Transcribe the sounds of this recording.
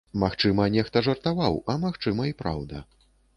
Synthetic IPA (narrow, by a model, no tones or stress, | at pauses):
maxt͡ʂɨmɐnʲɛxt̪ɐʐɐrt̪avawɐmaxt͡ʂɨmɐipɾa̰wd̪ɐ